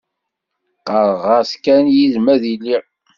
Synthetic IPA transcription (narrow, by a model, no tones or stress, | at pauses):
qəɾˤʁɑskænjizmæðilːi